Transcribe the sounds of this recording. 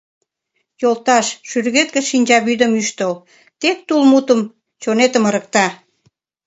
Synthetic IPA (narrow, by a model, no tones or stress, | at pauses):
jolt̪ɑʃʃyrɣet̪̚kĕʃinʲd͡ʑɑβyd̪əmyʃt̪əl | t̪ek̚t̪ulmut̪əm | t͡ɕonet̪əməɾə̆k̚t̪ɑ